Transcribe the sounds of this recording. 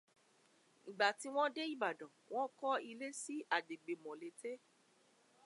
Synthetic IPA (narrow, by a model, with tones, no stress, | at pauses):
ĩ˨ɡ͡ba˨ti˨˦w̃ɔ̃˦de˦i˦˨ba˨dɔ̃˨w̃ɔ̃˦kɔ˦i˧le˦si˦a˦˨de˨ɡ͡be˨mɔ̃˨le˨˦te˦